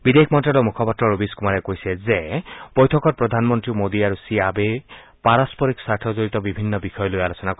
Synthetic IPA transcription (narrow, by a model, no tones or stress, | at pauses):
bid̪ekʰmɔntalɔmukʰɔpɔtɹɔɹobiskumaɾɛkojsɛzebɔjtʰɔkɔt̚pɹɔd̪ʱanmɔntɹimod̪iaɾusiabe | paɹaspɔɾiksaɹtʰɔzoɹit̪ɔbibʱinːɔbixɔjɔlojalosɔnakɔ